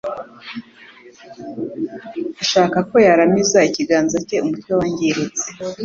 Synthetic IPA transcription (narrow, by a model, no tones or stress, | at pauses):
aʃaːkako̞jaɾamizaiciɡaːnzace̞umutwewaɲɟiɾet͡se